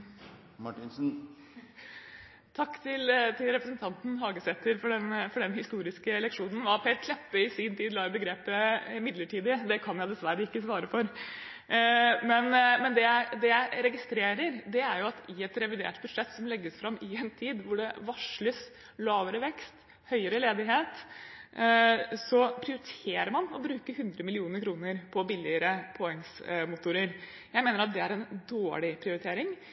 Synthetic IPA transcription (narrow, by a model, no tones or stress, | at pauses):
mɑʈɪnsn̩ | t̪ʰɑkːt̪ʰɪlt̪ʰɪlɾɛpɾəsənt̪ʰɑnt̪n̩ɦɑːɡəsɛt̪ːəɾfɔɖɛnfɔɖɛnhɪst̪uːɾɪskəɛlɛkʂuːnən̩ʋɑɾt̪hɛːlt̪ʰlɛpːəɪsɪːnt̪ʰiːd̪lɑːbəɡɾeːpəɪmɪd̪ləʈʰiːd̪əd̪ɛkʰɑnjæɪd̪ɛsʋæɾəɪkːəsʋɑːɾəfɔɾ | mɛnmɛnd̪ɛjæɪd̪ɛjæɪɾɛɡɪst̪ɾeːɾəɾd̪ɛæɾjʊɑt̪ɪɛt̪ɾɛʋɪd̪ḛːʈbʉd̪ʂɛt̪ːsɔmlɛɡːəsfɾɑmɪɛnt̪ʰiːd̪ʋʊɖɛʋɑʂɭəs | lɑːʋəɾəʋɛkst̪ | hœʏəɾəleːd̪ɪɦeːt̪ | sɔpʰɾɪʊɾɪt̪ʰeːɾəɾmɑnɔbɾʉːkəɦʉnd̪ɾəmɪlɪuːnəɾkʰɾuːnəɾpʰɔbɪlːɪəɾəpʰɔɛŋsmʊt̪ʊɾəɾ | jæɪmeːnəɾɑt̪̚d̪ɛæɾɛnd̪oːɭɪpʰɾɪʊɾɪt̪ʰeːɾɪŋ